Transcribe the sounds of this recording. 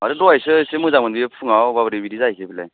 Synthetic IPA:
aɾɯdɔajsɯsemɯzaŋmɯnbipʰɯŋawbabɾibidizajkʰebilaj

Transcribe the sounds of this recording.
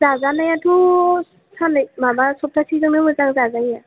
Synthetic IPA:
zazanajatʰu | sanɯjmabasɔp̚tʰasizɯŋnɯmɔzaŋzazaja

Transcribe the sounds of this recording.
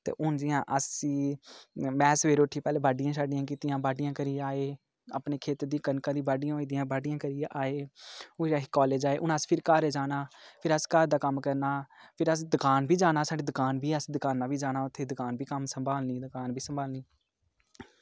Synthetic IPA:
t̪ḛːʔʊnd͡ʒɪjãːʔəsiː | mɛːsʋeːɾoːʈʰiːpɛːleːbaːɖɪjãːʃaːɖɪjãːk̬iːt̪ɪjãːbaːɖɪjãːkəɾiːaːeː | ə̰pneːkʰeːt̪d̪iːkənkaːd̪iːbaːɖɪjãːoːiːd̪ɪjãːbaːɖɪjãːkəɾijʔaːeːoaːɦikɔːleːd͡ʒaːeːʔʊnãːspʰɪɾkaːɾeːd͡ʒaːnaːpʰɪɾəskaːɾd̪aːkəmkəɾnaːpʰɪɾəsd̪ʊkaːnbiːd͡ʒaːnaːsaːɖeːd̪ʊkaːnbʱiːəsd̪əkaːnːaːbiːd͡ʒaːnaːʊt̪ʰːeːd̪ʊkaːnbiːkəmsəmbaːlniːd̪ʊkaːnbiːsəmbaːlniː

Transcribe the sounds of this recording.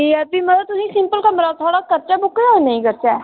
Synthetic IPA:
iəp̪iːmət̪ʊsĩːsɪ̃mpəlkəmɾaːt̪ʰaːɽaːkəɾt͡ʃaːbʊkeanəĩːkəɾt͡ʃɛː

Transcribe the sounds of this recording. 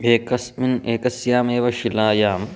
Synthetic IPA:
bʱeːkɐsmineːkɐsjaːmeːʋɐʃilaːjaːm

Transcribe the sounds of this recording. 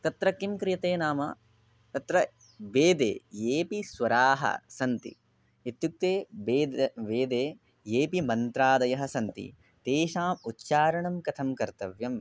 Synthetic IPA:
t̪ɐt̪ɾɐkimkɾɪjɐt̪eːnaːmɐ̰ | t̪ɐt̪ɾɐ | ʋeːd̪ḛːeːpisʋɐɾaːɦɐ̰sɐnt̪ḭ | it̪juk̚t̪eːeːʋeːd̪eː | jeːpimɐnt̪ɾaːd̪ɐjɐɦɐsɐnt̪ḭ | t̪eːʃaːmutːʃaːɾɐɳɐmkɐt̪ʰɐmkɐɾt̪ɐʋjɐm

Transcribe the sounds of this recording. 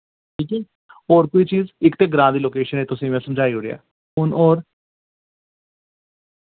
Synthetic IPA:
ʈʰiːkɛː | oːɾkoiːt͡ʃiːzɪkt̪eːɡɾãːnd̪iːloːkeːʃənẽːt̪ʊsĩːʋɛ̃ːsəmd͡ʒaːiɦoːɾiɛ̰ː | ʊnoːɾ

